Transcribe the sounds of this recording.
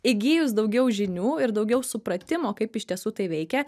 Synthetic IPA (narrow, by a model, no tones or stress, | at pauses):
ɪɡʲiːjʊsd̪ɐʊɡʲɛʊʒʲɪnʲuːɪɾd̪ɐʊɡʲɛʊsʊpɾɐt̪ʲɪmoːkɐɪpɪʃʲt̪ʲiɛsuːt̪ɐɪʋʲɛɪkʲɛ